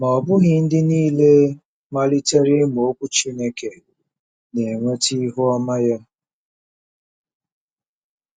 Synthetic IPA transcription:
mɔ˨bʊ˦ɣɪ˨n̩˦dɪ˦niː˦le˦ | ma˦li˦te˦ɾi˦m˨o˦kʷu˦t͡ʃi˦ne˦ke˨ | ne˨ŋʷe˦ti˦ɦu˦ɔ˦ma˦ja˦

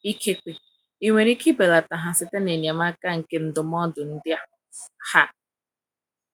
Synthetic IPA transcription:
i˦kʰe˦kʷe˨ | i˦ŋʷe˨ɾi˦ki˦be˨la˨ta˨ɦa˨sɪ˨te˦ne˨ni˨a˨m˦a˦ka˦˨ŋ̩˨ke˦n̩˦dʊ˨m˦ɔ˦dʊ˨n̩˦dɪ˦ | ha˦

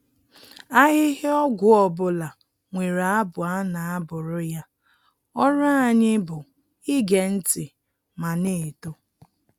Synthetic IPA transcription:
a˦ɣɪ˦ɦɪ˦ɔ˦ɡʷʊ˨ɔ˨bʊ˨la˨ | ŋʷe˨ɾa˨a˦bʊ˨a˦na˨a˦bʊ˨ɾʊ˦ja˦ | ɔ˦ɾa˦a˨ɲɪ˦bʊ˨ | i˦ɡe˨n̩˦tɪ˨ | ma˨ne˦˨to˦

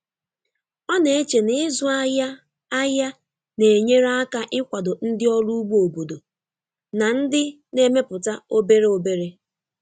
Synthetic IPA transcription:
ɔ˦ne˨e˦t͡ʃe˨nɪ˦zʊ˦a˦ja˦ | a˦ja˦ | ne˨e˨ɲe˦ɾa˦ka˦ʔɪ˦kʷa˨do˨n̩˦dɪ˦ɔ˦lu˦u˦ɡ͡bu˦o˨bo˨do˨ | na˨n̩˦dɪ˦ | ne˦me˦pʊ˨ta˦o˦be˦ɾe˦o˨be˦ɾe˦

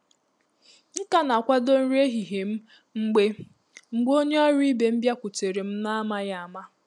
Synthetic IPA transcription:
ŋ̩˦ka˦na˨kʷa˦do˦n̩˦ɾe˦ɦi˨ɦe˨m̩˦ | ŋ͡m̩˦ɡ͡be˦ | ŋ͡m̩˨ɡ͡bo˦ɲe˦ɔ˦ɾi˦be˨m̩˦bja˦kʷu˨te˨ɾe˨m̩˦na˦a˦ma˦ja˨a˨ma˦

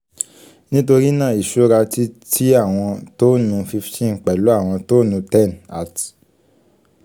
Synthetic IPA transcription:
nĩ˦to˧ɾi˦nã˦˨i˨ʃo˦ɾa˧ti˦tʰi˦a˦˨w̃ɔ̃˧to˦nũ˧fi˧ftʰĩ˦n˨k͡pɛ˨lu˨˦a˦˨w̃ɔ̃˧to˦nũ˧tɛ̃˦˨na˨t

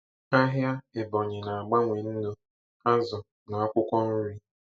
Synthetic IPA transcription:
a˦ɦja˦ɪ˨bɔ˨ɲɪ˨na˨a˨ɡ͡ba˦ŋʷe˨n̩˦no˦ | a˦zʊ˨ | na˨a˦kʷʊ˦kʷɔ˦n̩˦ɾi˦

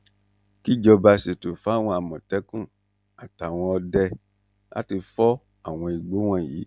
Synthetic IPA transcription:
ki˦˨d͡ʒɔ˧ba˧si˨to˨fa˨˦˨w̃ɔ̃˧a˨mɔ̃˨tɛ˨˦kũ˦˨ | a˨ta˨w̃ɔ̃˧ɔ˧dɛ˧ | la̰˦ti˧fɔ˦ | a˦˨w̃ɔ̃˧i˨ɡ͡bo˨˦w̃ã˦˨jḭː˨˦

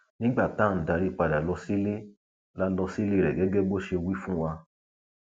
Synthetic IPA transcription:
nĩ˦ɡ͡ba˦˨ta˦˨n̩˨da˨˧ɾi˦˨k͡pa˨da˨lɔ˧si˦le˦ | la˦lɔ˧si˦le˦˨ɾɛ˨ɡɛ˨˦ɡɛ˦ɡ͡bo˦ʃe˧wi˦fũ˦wa˧

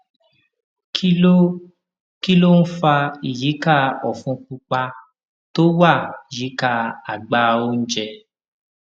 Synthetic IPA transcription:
ki˦o˦ | ki˦lo˦n̩˦fa˧i˨ji˨˦ka˦˨ɔ˨fũ˧k͡pu˧k͡pa˧ | to˦wa˦˨i˨ji˨˦ka˧a˨ɡ͡ba˧˦o˦n̩˦d͡ʒɛ˧

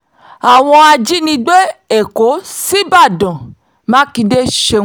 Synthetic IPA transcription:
a˨w̃ɔ̃˧a˧d͡ʒi˦nĩ˧ɡ͡be˦e˦˨ko˨˦si˦ba˦˨dɔ̃˨ | mã˦ki˧de˦ʃẽ˧˦

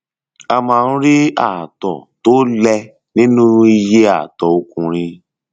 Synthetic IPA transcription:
a˧mãː˧˦˧ũ˦ɾi˦a˦˨tɔ̰˨to˦lɛ˧ | nĩ˦nũ˦i˧je˦a̰˦˨tɔ˨o˦kũ˧ɾ̃ĩ˧

